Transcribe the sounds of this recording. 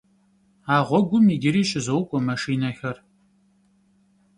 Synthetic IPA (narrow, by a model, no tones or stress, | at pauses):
aːʁʷɔɡʷʊmiɡʲɪɾiːɕɪzɐwkʷʼɔmɐʂiːnɐxɐr